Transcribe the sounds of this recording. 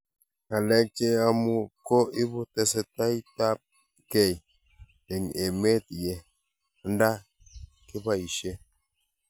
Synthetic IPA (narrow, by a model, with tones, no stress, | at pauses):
a˨lɛ˦k̚t͡ʃe˦a˦mu˦ko˦i˦bu˦tɛ˨se˦ta˦i˦ta˦p̚ | kɛ˦˨j | de˨ŋe˨me˦t̚je˨ | n̩˦da˦ | ki˦ba˦˨i˨ʃe˦